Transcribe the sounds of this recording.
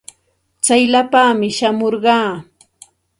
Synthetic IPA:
t͡sajlapaːmɪʃamoɾɢɑː

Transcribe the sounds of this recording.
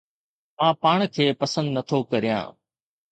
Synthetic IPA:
mãːpaːɳ̃kʰeːpɐsə̃nd̪nɐt̪ʰokɐɾijã̰ː

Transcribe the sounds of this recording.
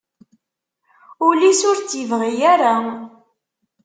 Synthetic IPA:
ʊlisʊɾt͡sjivʁijaɾa

